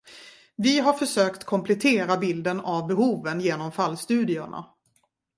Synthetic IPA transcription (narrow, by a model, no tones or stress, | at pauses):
vɪɦaɾfœʂøːkt̪kʰɔmpʰlɛt̪ʰeːɾabɪld̪ənavbɛhuːvənjeːnɔmfalːst̪ʉ̟ːd̪ɪʊɳʔa̰